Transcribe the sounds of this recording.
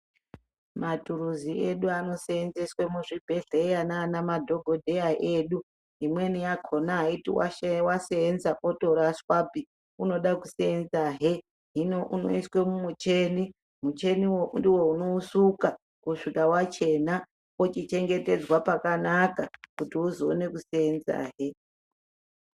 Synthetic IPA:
matuɾuzieɗuano̞seenzeswemuʐibʱe̞ɮejanaːnamadʱo̞ɡʱo̞dʱe̞jaʔeːɗu | ɦimwe̞nijakʰo̞naɦaitḭwa̰waseenzaʔoto̞ɾaswapi | uno̞ɗakuseend͡zaɦe | ɦinouno̰iswe̞mumut͡ʃeːni | mut͡ʃe̞niwondiwo̞uno̞usuka | kuʂikawat͡ʃe̞na | ot͡ʃit͡ʃe̞ŋɡe̞te̞d͡zwapakanakakutiuzoːne̞kuseenza̰ːɦe

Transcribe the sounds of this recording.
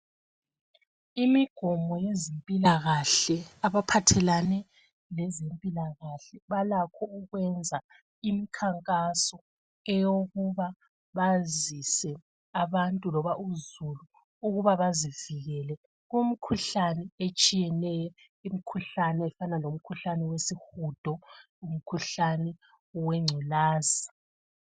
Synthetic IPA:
imiɡ̥ʱɔmɔjezempʼilaɣaɬɛaβapʰatʰɛlanɛ | lɛzempʼilaɣaɬɛβalakʰɔuɣwɛnd͡zʱa | imikʰaŋkʼasɔ | ɛjoɣuβa | βazisɛ | aβantʼulɔβaʔuzuluː | ɣuβaβaziviɣɛlɛ | ɣum̩kʰuɬanɛet͡ʃʼijɛnɛjɔ | im̩kʰuɬanɛɛfanalom̩kʰuɬanɛwesixud̥ʱɔ | um̩kʰuɬanɛ | wɛŋ͡ǀʱɛlaːzia

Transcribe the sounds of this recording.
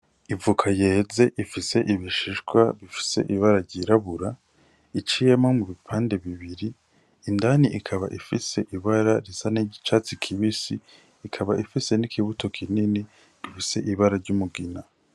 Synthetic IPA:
ivukʰajeːze̞ʔifise̞ʔiβiʃiʃɡwaβifi̥se̞̰ʔiβaɾaɾɟiɾaβuɾa | it͡ʃijemamuβipʰaːnde̞βiβiɾiː | ndaniʔikʰaβa̰ʔifise̞ʔiβaɾaɾizaniɟit͡ʃat͡sikʰiβisiː | kʰaβaʔifise̞nikʰiβuto̞kʰinini | βifise̞ʔiβaɾaɾɟumuɡina

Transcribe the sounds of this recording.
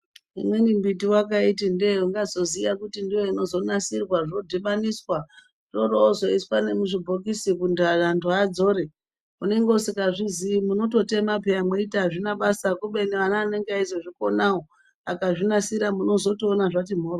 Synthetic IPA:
ḭmwe̞nimbitiwakaitindeuŋɡazo̞zijakutindijo̞ino̞zo̞nasirwaʐino̞dʱiɓaniswa | toɾoːzo̞iswane̞muʐibʱokisikundarantuad͡zo̞ɾe̞ | une̞ŋɡeosikaʐiziimuno̞to̞te̞mapeamweitaʐinaɓasakuɓe̞neʋanaːne̞ŋɡeaizoʐiko̞nawo | a̰kaʐinasiɾamuno̞zo̞toːnaʐatim̤oːro

